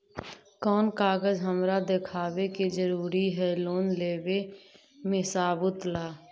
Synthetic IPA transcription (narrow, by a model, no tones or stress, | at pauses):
kɔːnkaːɡəzɦəmɾad̪ekʰaːwekizəɾuːɾiɦɛloːnleːwe | mẽsaːbʊt̪laː